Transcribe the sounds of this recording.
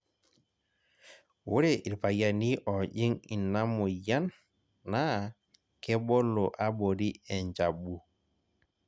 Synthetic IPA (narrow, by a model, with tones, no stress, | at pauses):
wo˦ɾe˨ʔi˨lpa˨ja˨ni˦ʔɔ˨ʄi˦ŋi˨nːa˦mo˨ja˦nː | a˦ | kɛ˦ɓɔ˦lo˨ʔa˦ɓo˨ɾi˦ɛ˨ɲd͡ʒa˨bu˨